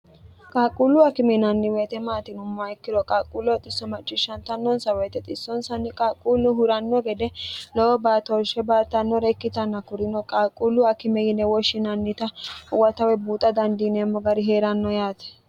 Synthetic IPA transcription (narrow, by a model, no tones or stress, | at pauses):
kʼaːkʼulːʊɐkɪmɛnɐnːɪweːt̪ɛmaːt̪ɪnʊmːaɪkːɪɾɔkʼaːkʼulːɔt̪ʼɪsːɔmɐt͡ʃʼːɪʃːɐnt̪ɐnːɔnsɐwɛjt̪ːɛt̪ʼɪsːɔnsɐnːɪkʼaːkʼːuːlːʊhʊɾɐnːɔɡɛd̪ɛlɔɔbaːt̪ɔlʃɛbaːt̪ːɐnːɔɾɛkːɪt̪ɐnːɐkʊɾɪnɔkʼaːkʼːulːʊɐkɪmɛjɪnːɛwɔʃːɪnɐnːɪt̪ɐwɐt̪ɐwɛbuːt̪ʼɐd̪ɐnd̪iːnɛmːɔɡɐɾɪɦeːɾɐnːɔjaːt̪ɛ̥